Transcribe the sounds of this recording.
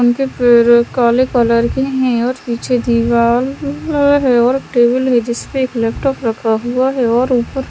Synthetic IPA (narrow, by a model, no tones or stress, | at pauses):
ʊnkeɾkaːlekɔləɾkeɦɛ̃ɔːɾpiːt͡ʃʰed̪iʋaːlɦɛɔːɾʈeːbəlɦɛd͡ʒɪspeːklɛːpʈɔːpɾɐkʰaɦuaɦɛɔːɾuːpəɾ